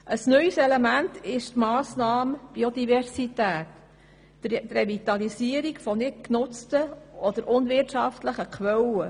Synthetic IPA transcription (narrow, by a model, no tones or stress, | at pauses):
ʔəsnœʏsɛlemæntɪʃtmɑːsnɑːmb̥iod̪ivɛrsitæːt | trevit̪ɑlisiəɾikfɔnɪt̚knʊt͡stəɔd̪əɾʔʊnvɪrtʃɑftləχəkʰʋɛlə